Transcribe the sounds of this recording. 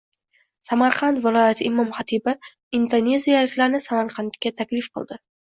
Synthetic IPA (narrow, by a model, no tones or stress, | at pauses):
samaɾqʰɑnt̪vɪlˠɒjat̪ʰɪɪmɒmχat̪ʰiba | ind̪one̞zijalɪkʲlaɾnɪsamaɾqʰɑnt̪kʲat̪ʰakʲlɪfqɨ̰lˠd̪ɪ